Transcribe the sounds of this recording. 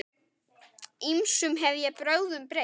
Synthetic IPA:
imsʏmɦɛvðjɛpɾœwðʏmpɾe

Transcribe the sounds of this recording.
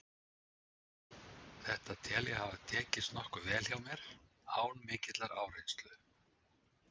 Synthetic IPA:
θɛht̪at̪ʰɛːljɛhavat̪ʰɛːcɪst̪nɔhkʏvɛːl̥çawmjɛɾ̥ | haːwnmɪːcɪt̪laɾaːwrejnst̪lʏð

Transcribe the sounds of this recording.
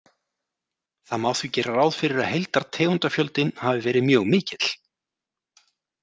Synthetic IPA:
θamawθvicɛːɾaɾaːwðfɪɾɪɾaðɦejlt̪aɾt̪ʰɛːɣʏnt̪afjœlt̪ɪnhavɪvɛːɾɪðmjœːɣmɪːcɪt̪l̥

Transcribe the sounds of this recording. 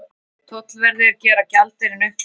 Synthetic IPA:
t̪ʰoːt̪lvɛɾðɪaɾcɛːɾacalt̪ɪɾɪnʏhk

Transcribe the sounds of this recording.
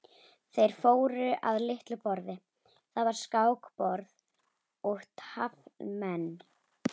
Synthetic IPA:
θejɾ̥foːwɾʏʔa̰ðlɪht̪lʏpɔɾðɪ | θaðvaɾ̥skaːwkpɔɾð | ʊht̪havmɛnː

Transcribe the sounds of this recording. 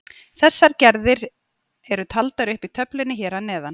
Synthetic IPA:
θɛsːaɾcɛɾðɪɾ | ɛɾʏt̪ʰalt̪aɾʏhpit̪ʰœplɪnːɪçɛːɾanɛːðan

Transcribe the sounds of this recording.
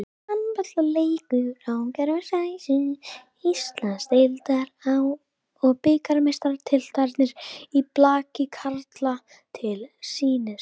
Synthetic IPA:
ampœt̪laleːjkʏawcɛɾmɛsaisi | ist̪lanst̪ejlt̪aɾaw | ɔɣpɪkaɾmejst̪aɾt̪ʰɪlt̪ʰajɾt̪nɪɾiplaːcɪkʰaɾt̪la | t̪ʰɪlsiːnɪ

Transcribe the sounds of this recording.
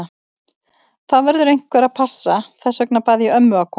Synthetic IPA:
θaðvɛɾðʏɾejŋ̥kvɛːɾaðpʰasːaθɛsœk̚napaːðiœmːʏakʰɔ

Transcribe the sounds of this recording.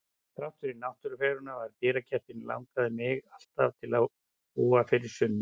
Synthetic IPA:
θɾawht̪ʏɾɪnawht̪ʏɾʏfɛːɾʏnavaɾt̪iːɾacʰɛht̪ɪnla̰wŋkaðɪmɪɣal̥t̪a̰v̥t̪ʰɪlaw | uːafɪɾɪɾ̥sʏnːɪ

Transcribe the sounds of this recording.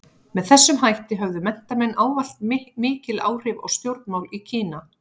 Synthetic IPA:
mɛðθɛsːʏmɦajht̪ɪɦœvðʏmɛn̥t̪amɛnːʔaːwval̥t̪mɪːcɪla̰ːwr̥ɪvɔ̰ɣst̪jowɾt̪̚nmawlicʰiːna

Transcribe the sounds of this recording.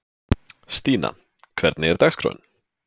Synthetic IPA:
st̪iːna̰ | kʰvɛɾt̪nɪɛɾd̪aɣskʰɾɔ̰ːn

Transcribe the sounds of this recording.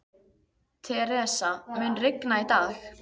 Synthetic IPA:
t̪ʰɛɾɛːsamɪnrɪknait̪aːx

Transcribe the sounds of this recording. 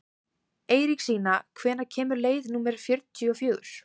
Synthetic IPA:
eːjɾiksiːnakʰvɛːnacʰɛːmʏɾleːjðnuːmɛɾafjʏɾt̪t̪ʰiɔfjœːɣʏ̰ɾ̥

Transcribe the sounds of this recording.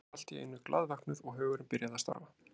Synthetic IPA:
al̥t̪iɪ̰nːʏklʔa̰ðvɛhknʏɾɔɣɦœːɣʏɾɪmpɪɾjaðast̪a̰ɾva

